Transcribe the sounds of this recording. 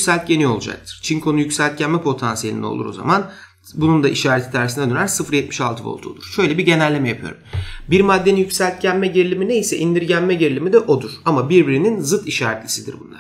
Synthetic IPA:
sælʲt̪̚ɟenio̞lˠud͡ʒa̰k̚t̪ʰɯ̥ɾ̥t͡ʃʰiŋkʰo̞nujycʲsælʲt̪̚cʰænmɛpʰo̞t̪ʰansijelʲind̪o̰lˠṵɾoza̰man | bunund̪aʔiʃaːɾet̪ʰi̥t̪ʰæɾsind̪d̪ɾænsɯfɾjɛt̪̚miʃalˠt̪ɯvo̰lˠt̪ʰuolˠuɾ̥ʃø̞jlʲebiɟe̞nælʲːemɛjapʰɯjo̰ɾumbiɾmad̪ːeninjycʲsælʲt̪̚cænmɛɟeɾilʲimine̞jisɛʔind̪iɾɟænmɛɟeɾilʲimid̪ɛʔo̞d̪uɾ̥amabiɾbiɾininzɯt̪iʃaːɾɛt̪lʲisid̪ḭɾbunlˠa̰ɾ

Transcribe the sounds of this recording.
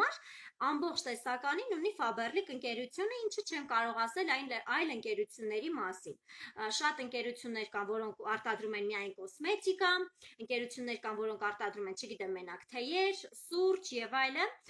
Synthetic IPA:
ɑɾ | ɑmbɔχt͡ʃʰt̪ɛsɑkɑninunifɑbɛrlikəŋkɛɾut͡sʰjunəint͡ʃʰət͡ʃʰɛnkɑɾɔʁɑsɛlɑjnɑjləŋkɛɾut͡sʰjunːɛɾimɑsinʃɑt̪əŋkɛɾut͡sʰjunːɛɾkɑnvɔɾɔŋkʰɑɾt̪ɑd̪ɾumɛnmijɑjnkɔsmɛt̪ikɑəŋkɛɾut͡sʰjunːɛɾkɑmvɔɾɔŋkʰɑɾt̪ɑd̪ɾumɛnt͡ʃʰəɡit̪ɛmːɛnɑkt̪ʰɛjɛɾsuɾt͡ʃʰjɛvɑjlə

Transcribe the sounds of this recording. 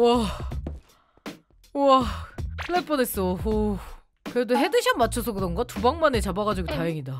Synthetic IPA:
uʌ | uʌpʰɯɭːep͈ʌnes͈ʌo | kɯɾe̞doɦe̞dɯɕʰʌmːat͡ɕʰʌsʰʌkɯɾʌnɡʌtubaŋmanet͡ɕabaɡad͡ʑiɡotajeŋida

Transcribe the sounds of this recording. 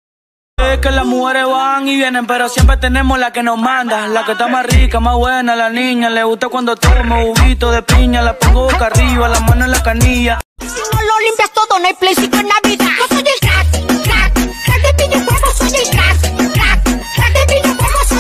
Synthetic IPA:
ekelasmuxe̞ɾe̞zβaŋiβje̞nempe̞ɾo̞sjempɾe̞t̪e̞ne̞mozlake̞nozmand̪alakest̪amasrikamazβwe̞nalanĩɲaleɣust̪akwand̪ot̪eɾmouβit̪oðe̞piɲalapaɣokariβalamãnenlakaniʝa | nololimpjast̪oðonoajplejsit̪oenːaβiðaosoɲeaaat̪epiɲokomosoɲetɾasɾas | at̪epiɲokomo

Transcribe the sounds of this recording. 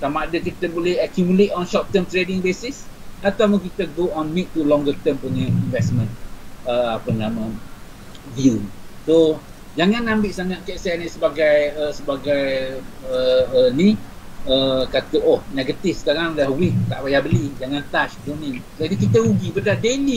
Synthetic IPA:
tamadəkit̪əbolɛhakjumulet̪ɔnʃɔp̚t̪əmt̪ɾedɪŋbesɪsat̪awpunkit̪əɡoʔɔnmit̚t̪ulɔ̃ŋɡət̪əmpuɲəinvɛsmə̃nəapənãmə̃ | vjuso | d͡ʒaŋãnãmbɪʔsaŋat̪̚kɛʔsɛnisəbaɡajəsəbaɡajəəniəkat̪əʔɔhnɛɡət̪ifsə̥kaɾaŋlahwit̪a̰ʔbajahbəlid͡ʒaŋãnt̪aʃdonĩŋ | adikit̪əuɡibədadeli

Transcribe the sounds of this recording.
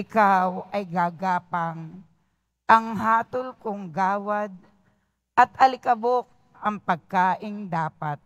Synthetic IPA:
ʔɪkawɐjɡaːɡaːpaŋ | ʔɐŋɦaːt̪olkʊŋɡaːwad̪̚ | ʔɐt̪ɐlɪkɐbok̚ | ʔɐŋpɐɡ̚kaːʔɪŋd̪aːpat̪̚

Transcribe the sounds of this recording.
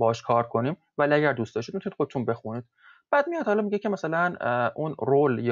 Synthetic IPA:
bɒɒʃkʰɒːɾkʰo̞niːm | væliæɟæɾd̪uːst̪ɒʃtid̪mit̪ʰunid̪xo̞d̪et̪unbe̞xunid̪̥̚ | b̥æːd̪mijɒd̪hɒlɒmiɟecʰemæsælænʔunrolj

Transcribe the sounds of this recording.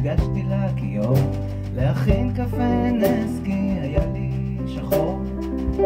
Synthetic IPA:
ɡaʃt̪ilakijom | leaχinkafeneskiajali | ʃaχoʁ

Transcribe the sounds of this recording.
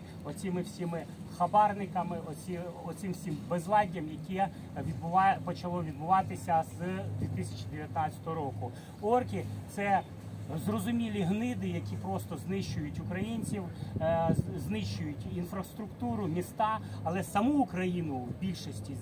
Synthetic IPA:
ɔt͡sʲimɪwsʲimɪ | xɐbɑrnɪkɐmɪɔiɔsʲɪmwsʲimbezlˠɑdʲːɐmjɐkʲɛ | ʋʲid̪bʊʋɑpɔt͡ʃɐlˠɔʋʲid̪̚bʊʋɑt̪ɪsʲɐzd̪ʲʋʲit̪ɪsʲɐ̥t͡ʃid̪eʋʲjɐt̪nat͡sʲɐ̥t̪ɔɦɔɾɔkʊ | ɔrkʲit̪sɛ | zrɔzʊmʲilʲiɦnɪd̪ɪjɐkʲipɾɔst̪ɔznɪʃt͡ʃʊjʊtʲʊkɾɐjinʲt͡sʲiw | znɪʃt͡ʃʊjʊtʲinfɾɐst̪ɾʊkt̪uɾʊmʲist̪ɑɐlˠɛsɐmuːkɾɐjinʊwbʲilʲʃɔsʲtʲi

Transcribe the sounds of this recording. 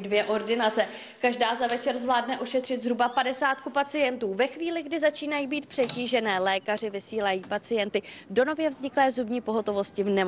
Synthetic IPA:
dvjɛʔo̞ɾdɪnat͡sɛ | kaʒdaːzavɛt͡ʃɛɾzvlaːdnɛʔo̞ʃɛt̪r̝̥ɪt̪zɾubapadɛsaːt̪kupat͡sɪjɛnt̪uːvɛxviːlɪɡdɪzat͡ʃiːnajiːbiːt̪̚pr̥ɛciːʒɛnɛːlɛːkar̝ɪvɪsiːlajiːpat͡sɪjɛnt̪ɪdo̞no̞vjɛvzɲɪklɛːzubɲiːpo̞ɦo̞t̪o̞vo̞scɪvnɛm

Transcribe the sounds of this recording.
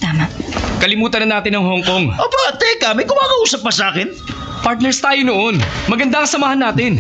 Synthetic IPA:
t̪aːmaʔkɐlɪmuːt̪ɐnɐnaːt̪ɪnːɐŋhoŋko̞ŋʔopɾat̪ɛkaːmɪkʊmaːkɐʔuːsɐp̚ːɐsaːkɪn | paɹt̪̚nɛɹst̪aːjonoʔo̞nmɐɡɐnd̪aŋkɐsɐmaːhɐnːaːt̪ɪn

